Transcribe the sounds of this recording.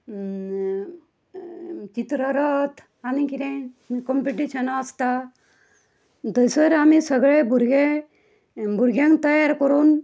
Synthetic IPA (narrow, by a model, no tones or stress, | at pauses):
t͡ʃit̪ɾəɾɔt̪ʰ | anikiɾẽ | kɔmpiʈiʃənast̪a | d̪əjsəɾamisəɡɭebuɾɡe | buɾɡjãŋt̪əjaɾkɔɾun